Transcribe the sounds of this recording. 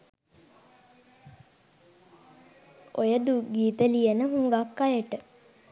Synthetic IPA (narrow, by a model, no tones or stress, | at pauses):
ojəd̪uɡiːt̪əlijənəɦuŋɡakːajəʈə